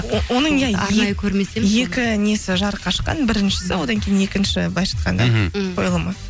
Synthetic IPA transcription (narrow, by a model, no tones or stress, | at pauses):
wo̞nəɴjɑɾejkʰʲɵɾmeseje̞kʲɪnesɪʒɑɾqʰɑʃqɑ̰nbɪɾɪnʃɪ̥sɪwo̞d̪ɑŋkʲʰejɪne̞kʲɪnʃɪbɑjʃɑ̥t̪qʰɑnd̪ɑ̰qʰojlˠəmə